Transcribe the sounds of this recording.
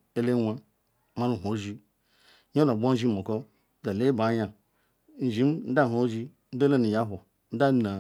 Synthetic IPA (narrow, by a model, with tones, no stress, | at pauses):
e˦le˦wʷa˦ | ma˦lu˦˨ɦʷo˨˦ʒi˦ | ɲ˦o˦la˨bʷo˦n̩˦ʒi˦mo˨ko˦ | da˨le˦ba˨˦ɲa˨˦ | n̩˨ʒi˨˦m˦n̩˦da˦˨ɦo˨˦ʒi˦ | n̩˦do˦le˦ni˨ja˦ɦʷo˨ | n̩˦da˦na˨